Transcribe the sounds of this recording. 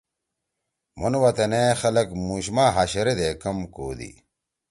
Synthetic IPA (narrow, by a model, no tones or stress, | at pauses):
monwɐt̪ɐnexɐlɐkmuːɕmaːɦaɕɐɾed̪ekɐmko̰ːd̪ḭ